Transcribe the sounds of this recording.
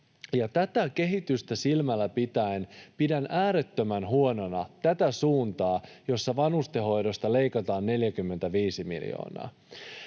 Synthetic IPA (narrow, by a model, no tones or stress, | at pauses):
jɑt̪æt̪æke̞ɦit̪yst̪æsilmælːæpit̪æenpidænʔæːɾe̞t̪ːømænɦuo̞no̞nɑt̪æt̪æsuːnt̪ɑːjo̞sːɑʋɑnust̪eɦo̞jdo̞st̪ɑle̞jkɑt̪ɑːnːe̞ljækymːent̪æʋiːsimḭljo̰ːnɑ̰ɑ̰ː